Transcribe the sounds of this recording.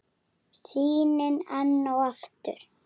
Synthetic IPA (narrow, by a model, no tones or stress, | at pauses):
siːnɪnanːawaft̪ʏ̰ɾ̥